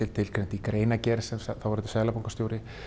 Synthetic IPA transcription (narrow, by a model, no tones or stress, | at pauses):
ɪlt̪ʰɪlkʰɾɛnt̪ikɾeːjnacɛɾsɛmsaθawvɛɾɪt̪ɪ̥saːɣlapowŋkast̪jowɾɪ